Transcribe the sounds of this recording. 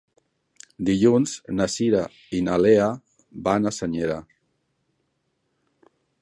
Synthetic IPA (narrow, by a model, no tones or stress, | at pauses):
d̪iʎunz̥nasiɾa | inalea | βanasəɲeɾa